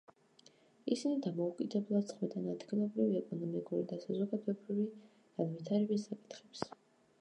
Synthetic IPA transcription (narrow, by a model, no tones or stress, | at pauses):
isinid̪amɔukʼid̪ɛblˠad̪sχmɛt̪ʼanad̪ɡinɔbɾiviɛkʼɔnɔmikʼuɾid̪asazɔɡad̪ɛbɾivi | ɡ̥anvit̪ʰaɾɛbisːakʼi̥t̪ʰχɛ̥ps